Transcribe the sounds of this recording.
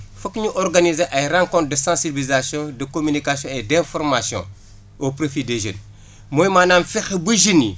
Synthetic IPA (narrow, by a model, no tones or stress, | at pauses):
fɐkːɲuʔɔrɡɐnizeʔɐjrãŋkɔ̃nt̪̚dəsãsibilizasjɔ̃dəkomynikasjɔ̃ɛdɛ̃fɔrmasjɔ̰̃ | opɾofideʒən | moːjmanaːmfɛxebuʒinːḭ